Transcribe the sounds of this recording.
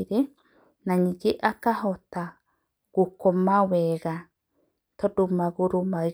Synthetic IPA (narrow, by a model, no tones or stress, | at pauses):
ɾe | nãɲid͡ʒeʔakahot̪a | ɡ̥ukomaweɡa | t̪odumaɡuɾuma